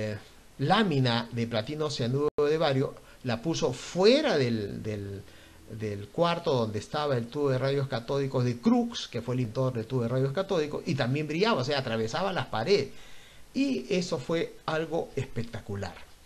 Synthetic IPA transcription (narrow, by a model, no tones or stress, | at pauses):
lamĩnaðeplat̪inoseanuβoðeβaɾjo̞ | lapusofwe̞ɾaðeld̪el | d̪elkwaɾt̪oðo̞nd̪est̪aβae̞lt̪uβoðeraðjo̞skat̪o̞liko̞zðe̞kɾukske̞fwelint̪o̞ɾðelt̪uoerajoskat̪o̞liko̞sit̪ambje̞mbɾiʝaβaoseaːt̪ɾaβe̞saβalaspaɾeðes | ie̞so̞fwe̞alɣo̞espek̚t̪akula̰ɾ